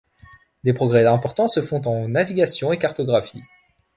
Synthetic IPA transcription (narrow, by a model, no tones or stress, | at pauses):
d̪epχɔɡʁɛɛ̃pɔʁt̪ɑ̃səfɔ̃t̪ɑ̃naviɡʲasjɔ̃ekaʁt̪ɔɡʁafḭ